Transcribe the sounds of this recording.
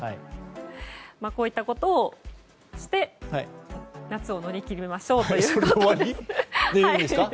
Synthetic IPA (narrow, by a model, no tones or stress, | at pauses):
hai | mako̞ːit̪ːako̞t̪o̞ː | ɕi̥t̪e̞hanat͡sɨo̞no̞ɾʲikʲiɾʲimemaɕo̞ːt̪o̞jɯ̟ːoaɾid̪eiaid̪eska